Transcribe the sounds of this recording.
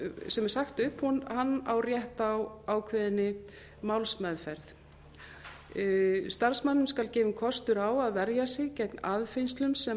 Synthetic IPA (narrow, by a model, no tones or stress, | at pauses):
sɛmɛɾ̥saxt̪ʏhphunhanːawrjɛht̪awaːwkʰvɛːðɪnːɪ | mawlsmɛðfɛɾθ | st̪aɾ̥smanːʏmskalcɪːvɪmkʰɔst̪ʏɾaːwaðvɛɾjasɪɣcɛknaðfɪjnst̪lʏmsɛ